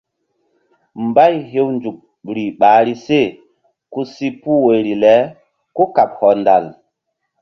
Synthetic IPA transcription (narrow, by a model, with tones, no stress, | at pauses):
mba˦jɦe˦wnd͡ʒu˨k̚ | ɾi˨ɓaː˨˦ɾi˦se˦˨ | ku˦si˦pu˦we˨ɾi˨lɛ˨˦ | ko˦ka˨p̚hɔ˨nda̰˨l